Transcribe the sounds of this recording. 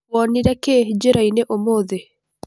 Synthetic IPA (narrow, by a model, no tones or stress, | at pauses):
ɔniɾaked͡ʒeɾaineʔomoðe